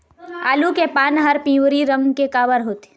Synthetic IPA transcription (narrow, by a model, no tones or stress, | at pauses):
a̰ːlukepaːnɦəɾpĩːʋɾiɾə̃ŋɡkekaːʋəɾɦoːt̪e̥